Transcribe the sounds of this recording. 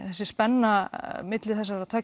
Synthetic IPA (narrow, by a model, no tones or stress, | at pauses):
θɛsːɪ̥spɛnːamɪt̪lɪθɛs̬ːaɾɾaðt̪ʰœ